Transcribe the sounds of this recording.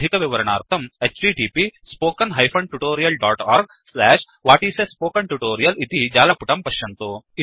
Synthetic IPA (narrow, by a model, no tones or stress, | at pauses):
ikɐʋiʋɐɾɐɳaːɾt̪ʰɐmet͡ʃʈiːʈiːpispoːkɐnɦɐjpʰɐɳʈuʈoːɾijɐlɖaːʈaːɾɡ̚ | slɛːʂ | ʋaːʈiːsespoːkɐɳʈuʈoːɾijɐlit̪id͡ʒaːlɐpuʈɐmpɐʃjɐnt̪u